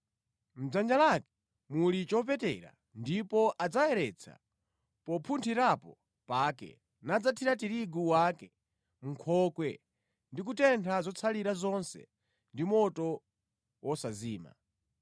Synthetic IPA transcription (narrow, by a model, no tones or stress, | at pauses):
m̩d͡zand͡ʒalakɛ̥ | mulit͡ʃɔp̬ɛtɛɾa̰ | ndipɔʔad͡zaɛɾɛt͡sʰa̰ | pɔpʰuntʰiɾapɔ | paːkɛ̰ | nad͡zatʰiɾatiɾiɡuwakɛ | m̩kʰɔkwɛ̰ | ndik̬utɛntʰazɔt͡sʰaliɾazɔnsɛ̰ | ndimɔtɔ | wɔsaziːma̰